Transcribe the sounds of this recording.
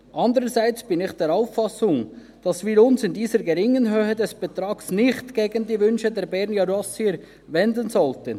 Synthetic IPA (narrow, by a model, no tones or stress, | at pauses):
ʔɑndəɾəsaɪt͡sb̥ɪnɪxd̥ɛːɾaʊfːɑsʊŋ | d̥ɑsviːɾʊnsɪndiːzəɾɡɛɾɪŋənɦøːhədɛsb̥ɛtɾɑːɡ̥snɪχtɡ̥eːɡəndiːvʏnʃədɛːɾbɛɾnjɑɾɔsiəɾ | vɛndənzɔltən